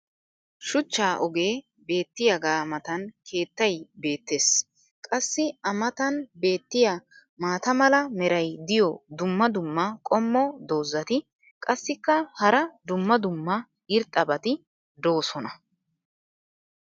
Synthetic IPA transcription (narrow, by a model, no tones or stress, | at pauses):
ʃʊt͡ʃːaːʔɔɡe̞ː | be̞ːt̪ːɪjɐɡaːmɐt̪ɐnkʰe̞ːt̪ːɐjbe̞ːt̪ːe̞ːs | kʼɐsːɪɐmɐt̪ɐnbe̞ːt̪ːɪja | maːt̪ɐmɐlɐmɛɾɐjd̪ɪjɔd̪ʊmːɐd̪ʊmːɐkʼɔmːɔd̪o̞ːzːɐt̪ɪ | kʼɐsːɪkːɐhɐɾɐd̪ʊmːɐd̪ʊmːɐ | ɪɾt̪ʼɐbɐt̪ɪ | d̪o̞ːsɔnɐ